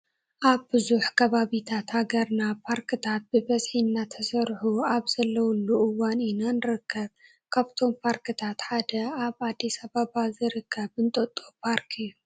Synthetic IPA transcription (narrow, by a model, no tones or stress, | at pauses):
ʔaβbɨzuħkʰɐβaβit̪ʰat̪haɡɐɾnapʰaɾkʰɨt̪ʰat̪̚b̥ɨbɐzħinːat̪ʰɐsɐɾħuaβz̥ɐlːɐwulːuʔɨwaninanɨɾɨkʰːɐβ | kʰaβt̪ʰo̞mpʰaɾkɨt̪ʰat̪ħad̪ɐaβad̪ːisaβaβazɨɾɨkʰːɐbɨnt̪ʼɐt̪ʼːo̞pʰaɾkʰɨjːu